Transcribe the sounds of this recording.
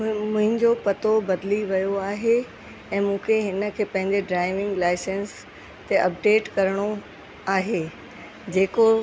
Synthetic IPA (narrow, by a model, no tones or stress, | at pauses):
mʊ̃ɦɪ̃ɲd͡ʑopɐt̪obɐd̪liʋɐjoaːɦe | ɛ̃ːmũːkʰeɦɪnə̆kʰeːpɐ̃ɦɪ̃ɲd͡ʑeɖɾaːɪʋɪ̃ŋɡlaːɪsẽns | t̪eʔɐp̚ɖeːʈkɐɾɽ̃o | aːɦeː | d͡ʑeːko